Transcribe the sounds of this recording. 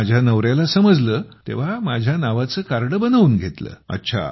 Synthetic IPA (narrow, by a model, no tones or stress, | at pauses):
ad͡ʑʱjanəʋɾjalasəməd͡zləːt̪ḛʋ̤amad͡ʑʱjanaʋat͡səːkaɾɽəbənaʋuːnɡʱet̪lə̰ːə̰tːɕʰa̰